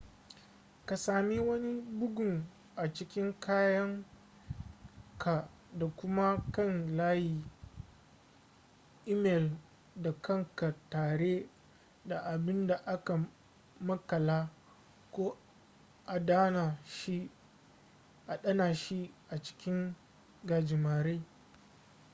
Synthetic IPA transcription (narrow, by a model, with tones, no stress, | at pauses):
ka˨saː˨mi˦wɐ˦ni˦bʊ˦ɡʷʊ˨ŋ | ʔa˨t͡ʃɪ˦kʲɪ˦ŋkʰaː˦jɐ˦ŋ | kʰa˨ | da˨kʷʊ˦ma˦kɐ˦˨nlaː˦jiː˨ | ʔi˦mɛ˨l | da˨kɐ˦ŋka˨taː˨ɽe˦ | da˨ʔa˨bɪ˦nda˨ʔa˦ka˨ | mɐ˦kɐ˨laː˦ | kʷoː˦ | ʔa˨daː˦na˨ʃi˦ | ʔa˨ɗɐ˦naː˨ʃi˦ʔa˨t͡ʃɪ̥˦kʲɪ˦ŋ | ɡaː˨d͡ʒɪ˨maː˨ɾe˦